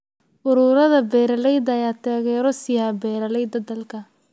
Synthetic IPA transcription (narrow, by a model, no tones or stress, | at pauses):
ʔʊɾʊːɾɐðɐbɛːɾɐlɛjd̪ɐːjaːt̪ʰaːɣɛːɾɔsɪjaːbɛːɾɐlɛjd̪ɐd̪ɐlkʰɐ